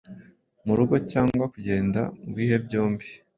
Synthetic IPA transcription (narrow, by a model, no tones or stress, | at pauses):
muɾuɡo̞caːŋɡwakuɟe̞ːnda̰ŋɡwiːɦe̞bɟo̞ːmbi